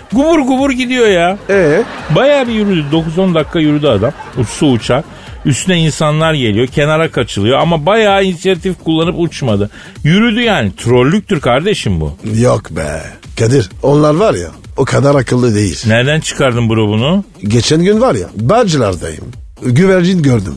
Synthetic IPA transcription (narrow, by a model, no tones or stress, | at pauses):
ɡubuɾɡubuɾɟid̪ijo̞jaɛbajaːbijyɾyd̪yd̪o̞kuzo̞nd̪akʰːajyɾyd̪yad̪amut͡ʃsuːt͡ʃʰaɾ | yst̪ʰynɛinsanlˠaɾɟe̞lʲijo̞cʰe̞naɾakʰat͡ʃʰɯlˠɯjo̞amabajaːinsijat̪ʰifkʰulˠːanɯput͡ʃmad̪ɯ | jyɾyd̪yjaːnit̪ʰɾo̞lʲːyc̚t̪yɾkʰaɾd̪e̞ʃimbṵjokbɛ̰kʰad̪iɾo̞nlˠaɾvaɾja̰ | okʰad̪aɾakʰɯlˠːɯd̪e̞jḭl̥ʲnæɾd̪ænt͡ʃʰɯ̥kaɾd̪ɯmbuɾobunuɟet͡ʃʰænɟynvaɾja̰band͡ʒɯlˠaɾd̪a̰jɯ̰m | ɟyvæɾd͡ʒinɟøɾd̪y̰m